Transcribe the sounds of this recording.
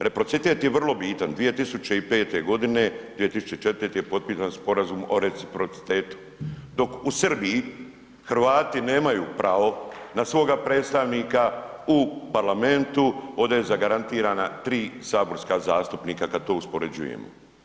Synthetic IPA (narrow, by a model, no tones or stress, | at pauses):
ɾe̞pɾo̞t̪sit̪e̞ːt̪jeʋr̩lo̞biːt̪and̪ʋije̞t̪isut͡ɕe̞ipe̞ːt̪e̞ɡo̞d̪ine̞d̪ʋijet̪isu̥t͡ɕeit͡ʃet̪ɾet̪ejepo̞t̪̚piːsanspo̞ɾazumo̞̰ɾe̞t̪sipɾo̞t̪si̥t̪e̞ːt̪u̥ | d̪o̞kusrbiji | xɾ̩ʋaːt̪ine̞ːmajuːpɾaʋo̞nasʋo̞ːɡapɾe̞ːt̪st̪aʋniːkaupaɾlame̞nt̪uo̞d̪ajezaɡaɾant̪iːɾaːnat̪ɾiːsaːbo̞ɾskazaːst̪upniːkakad̪̚t̪o̞ːuspo̞ɾed͡ʑṵjḛmo̰